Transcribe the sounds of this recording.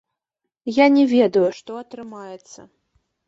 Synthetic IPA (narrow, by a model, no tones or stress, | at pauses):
janʲɛvʲɛd̪ɐjuʂt̪ɔɐt̪ɾɨmajɛt̪sːɐ